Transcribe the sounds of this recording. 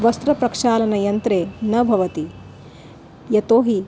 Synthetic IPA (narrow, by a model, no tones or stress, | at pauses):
ʋɐst̪ɾɐpɾɐkʂaːlɐnɐjɐnt̪ɾeːnɐbʱɐʋɐt̪i | jɐt̪oːɦi